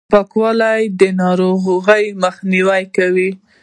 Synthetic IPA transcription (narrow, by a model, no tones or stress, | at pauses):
pakwalajd̪ənɑɾoɣɣəjməxniwajkawi